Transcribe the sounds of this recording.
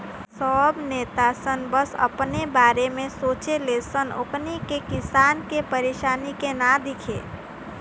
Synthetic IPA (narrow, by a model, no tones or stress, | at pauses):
sɔːbneːt̪asənbəsɐ̰pnebaːɾemẽsoːt͡ʃeleːsənʊ̰knikekɪsaːnkepəɾeːʃaːnikenad̪ɪkʰḛː